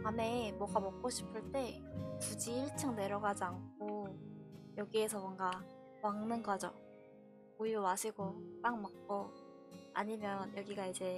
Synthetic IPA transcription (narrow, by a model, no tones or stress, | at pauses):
ame̞mwʌɡamʌk̚k͈oɕʰi̥pʰɯɭt͈e̞kud͡ʑiːɭt͡ɕʰaŋne̞ɾʌɡad͡ʑiaŋkʰo | jʌɡie̞sʰʌmwʌŋɡa | waŋnɯnɡʌd͡ʑo̰ | ujowaɕʰiɡop͈aŋmʌk̚k͈o | a̰ɲimjʌnjʌɡiɡaid͡ʑe̞